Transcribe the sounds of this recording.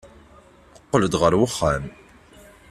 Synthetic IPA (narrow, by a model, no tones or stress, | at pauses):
əqːələd̪ʁəɾwəχːæm